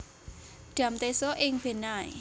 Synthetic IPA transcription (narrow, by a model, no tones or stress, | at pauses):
ɖ̥ä̤mt̪esoʔɪŋb̥e̤naḭ